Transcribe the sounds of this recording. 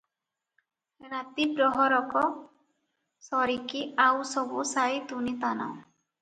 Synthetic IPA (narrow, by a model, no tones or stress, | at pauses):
ɾat̪ipɾɔɦɔɾɔkɔ | sɔɾikiawsɔbusajt̪unit̪ana̰w